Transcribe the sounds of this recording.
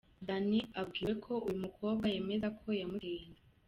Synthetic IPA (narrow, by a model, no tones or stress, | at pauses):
daniab̚ɡiːɾe̞kʰo̞ujumukʰo̞ːbɡaje̞ːme̞zakʰo̞jamueːnda